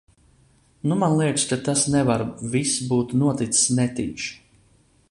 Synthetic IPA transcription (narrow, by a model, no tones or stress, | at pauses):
numanlˠiɛt̪skat̪asnɛvaɾvisbuːt̪nuɔt̪it̪ssnɛt̪ḭːʃ